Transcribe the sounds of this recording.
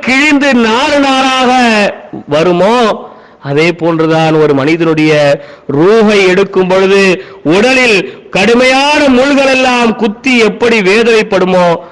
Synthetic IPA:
kɪɻɪnd̪ɯnaːlɯnaːlaːɣɐʋɐɾɯmoː | ɐðeːpoːndrɯðaːnɔɾɯmɐnɪðɐnɯɽɐjɐ | ɾuːɣɐɪɛɽɯkːɯmpɔɻɯðɯ | ʊɽɐlɪlkɐɽɯmɐjaːnɐmʊɭɣɐɭɛlːaːmkʊt̪ːiɛpːɐɽiʋeːðɐʋɐɪpːɐɽɯmoː

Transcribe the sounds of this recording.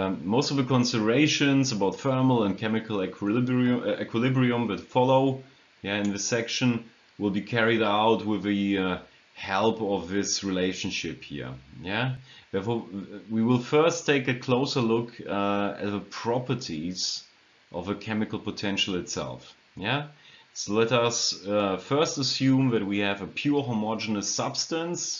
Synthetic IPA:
moʊstʌvðɨkʰə̃nsɪdə˞eɪʃɨ̃nzəbaʊtfɜ˞ml̩ˠə̃nkʰɛmɨkʰl̩ˠ | ɛkʰwɨlɪbɹiə̃mðɨtfɑloʊ | jæɨ̃nðɨsɛkʃɨ̃n | wɪlˠbikʰɛɹiɾaʊt̚wɪðɨ | hɛlˠpʌvðɪsɹileɪʃɨ̃n̩ʃɪphḭɹjæðɛɹfɔwiwɪlˠfɜ˞stʰeɪkɨkʰl̥oʊsə˞lʊkɨ̰t̚ðəpʰɹ̥ɑpə˞tʰiz̥ | ʔʌvɨkʰɛmɨkl̩ˠpətʰɛ̃nʃl̩ˠɨtsɛ̰lˠf | jæ | soʊlɛɾʌsfɜ˞stəsjũmðɨt̚wiɨvəpʰj̥uɹɦɔmɔd͡ʒɨnɨsʌb̥stə̃ns

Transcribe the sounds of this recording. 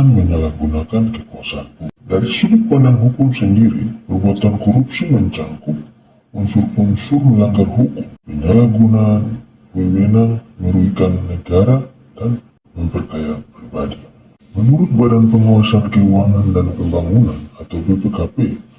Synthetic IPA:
anməɲalahɡunakankəkuasaankudaɾisibʊt̪̚padaŋɦukʊmsəndiɾipərbuat̪ankɔɾupsiməɲt͡ʃaŋkʊp̚ | unsʊrunsʊrməlaŋɡarhukʊmpəɲalahɡunaːn | bəwenaŋməɾuikanːəɡaɾa | dan | məmpərkajapɾibadi | mənuɾʊt̪̚badanpəŋuwasakkəwaŋandanpəmbaŋunanat̪awpepekape

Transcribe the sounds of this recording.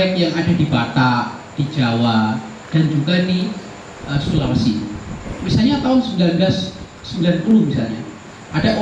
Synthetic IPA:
ɛkjaŋadadibat̪a | d̥id͡ʒawa | d̥and͡ʒuɡaini | ʔəsulaməsinmisalɲat̪aʊnsəmbilanblasː | əmbilanpulumisalɲa̰ | ʔadaʔo

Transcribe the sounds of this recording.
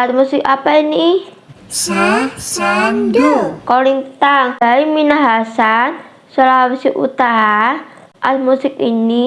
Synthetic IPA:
atmusɪkapaini | sasa | koliŋt̪aŋbaiminaɦasan | sɔlaɦwisɪkṵt̪aɦa | ʔarmusɪkini

